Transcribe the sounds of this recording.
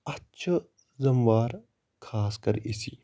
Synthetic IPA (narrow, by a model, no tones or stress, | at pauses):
ɐtːʃʰɐ | zɐmʋaːɾ | kʰaːskɐɾisi